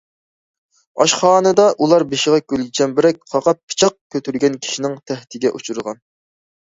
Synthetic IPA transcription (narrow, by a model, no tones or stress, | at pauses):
ɑʃχɑːnɨd̪ɑʔulˠɑɾbeʃɪʁɑkʲʰølɡʲit͡ʃʰɛmbɪɾɛk̚ʲqʰɑqɑpʰːɨ̥t͡ʃʰɑq̚kʲʰːøt̪ʰyɾɡʲɛnkʲʰi̥ʃinɪŋt̪ʰɛht̪ʰɪɡʲɛʔut͡ʃʰuɾʁɑn